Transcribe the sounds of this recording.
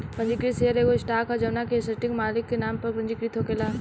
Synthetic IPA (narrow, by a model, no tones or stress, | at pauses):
kɐ̃ɲd͡ʒikɾiseəɾeːɡosʈaːkɐd͡ʒɐʋnakesɐɾʈɪ̃ŋɡmaːlɪkːenaːmpɐɾkɾɐ̃ɲd͡ʒikɾit̪ʰokelaː